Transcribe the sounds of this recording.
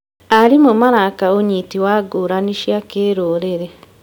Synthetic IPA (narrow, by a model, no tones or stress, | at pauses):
aɾimomaɾakaoɲitiwaɡoɾaniʃjakeɾoːɾeɾɛ